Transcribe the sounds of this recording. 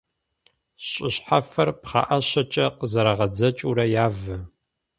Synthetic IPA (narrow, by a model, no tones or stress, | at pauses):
ɕʼɪɕħafɐrpχɑ̰ːʔɐɕɐt͡ʃʼɐqəzɐɾɐʁɐd͡zɐt͡ʃʼuɾɐjaːvɨ